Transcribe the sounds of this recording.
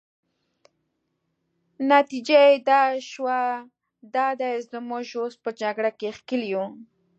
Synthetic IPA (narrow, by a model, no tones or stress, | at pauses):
nat̪id͡ʒaed̪ɑʃwa | d̪ɑd̪əɪzd̪ɪmoʒospəd͡ʒaɡɽakexkəliju